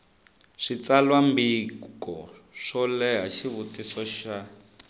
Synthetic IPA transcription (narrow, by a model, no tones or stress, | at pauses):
ʂit͡salwambikɔʂɔlɛɦaʃiβutisɔʃa